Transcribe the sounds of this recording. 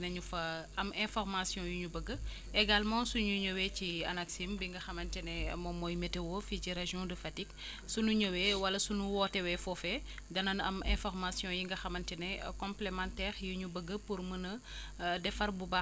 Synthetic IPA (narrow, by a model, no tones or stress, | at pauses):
nɐɲufɐɐmɛ̃fɔrmasjɔ̃juɲubəɡːə | ɛɡalmɑ̃suɲuɲowɛciɐ̰nɐksimbiŋɡɐxɐmɐntɛnɛmɔmɔːjmɛtewɔficiɾeʒijɔ̃dəfɐtik | sunuɲowɛwɐlɐsunuwɔtɛwɛfɔfɛ | dɐnɐnɐ̰mɛ̃fɔrmasjɔ̃jiŋɡɐxɐmɐntɛnɛkɔ̃mplemãntɛːʁjuɲubəɡːəpuɾmənɐ | dɛfɐrbuba